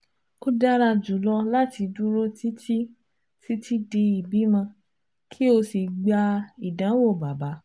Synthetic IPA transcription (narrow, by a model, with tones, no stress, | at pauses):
ko˦da˦ɾa˧d͡ʒu˨˦lɔ˧la˦ti˧dũ˦ɾo˦ti˦ti˦ | ti˦tʰi˦de˧i˨bi˨˦mã˧ | kʰi˦o˧si˧ɡ͡ba˧i˨dã˨˦wo˦˨ba˨ba˨˦